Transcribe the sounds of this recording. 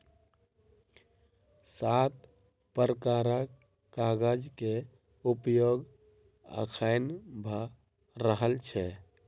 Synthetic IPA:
sat̪ | pəɾəkaɾa | kaɡəd͡ʒke | upjoɡ | ə̰kʰaɪnbʱa | ɾəɦəlt͡ʃʰɛ

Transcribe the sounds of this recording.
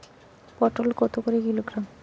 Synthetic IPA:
pɔʈolkɔt̪okoɾekiloɡɾam

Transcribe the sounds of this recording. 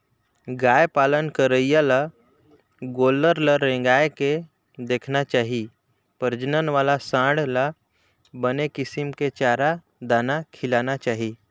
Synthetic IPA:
ɡaːjpaːlənkəɾəijala | ɡoːləɾləɾẽːŋɡaːeke | d̪eːkʰnat͡ʃaːɦi | pəɾd͡ʒnənʋaːlasãːɽla | bənekɪsimket͡ʃaːɾa | d̪aːnakʰɪlaːnat͡ʃaːɦi

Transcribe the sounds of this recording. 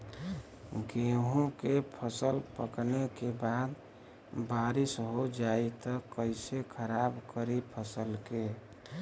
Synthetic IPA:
ɡeɦũkepʰəsəlpəknekebaːd̪ | baːɾisɦod͡ʒait̪əkəɪsekʰəɾaːbkəɾipʰəsəlke

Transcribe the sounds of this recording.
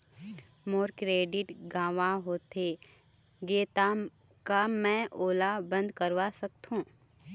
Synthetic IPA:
moːɾkɾeːɖɪʈɡãːʋãɦoːt̪e | ɡeːt̪a | kamɛ̃ʔoːlabə̃nd̪kəɾʋasək̚t̪ɦũː

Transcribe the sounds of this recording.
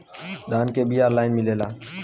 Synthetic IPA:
ɗ̪aːnkeːbiːaːɾlaːɪnmɪleːlaː

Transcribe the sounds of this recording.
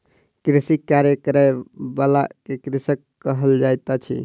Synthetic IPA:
kɾisikːaɾjəkɾebalakekɾisəkːəɦəld͡ʒajt̪at͡ʃʰḭ

